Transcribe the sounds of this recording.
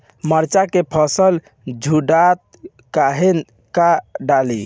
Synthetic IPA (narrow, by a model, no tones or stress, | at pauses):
məɾt͡ʃakepʰəsəl | d͡ʒʱuɖat̪̚ | kaɦen | kaɖalḭ